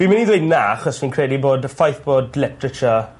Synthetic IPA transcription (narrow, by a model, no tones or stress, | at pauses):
imɪniðwednaːχɔsinkʰr̥ɛːdiboːdfajθb̥oːdlɪpɹət͡ʃə